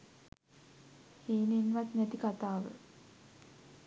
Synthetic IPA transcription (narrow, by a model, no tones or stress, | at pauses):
heːnenʋat̪næt̪ikat̪aːʋə̰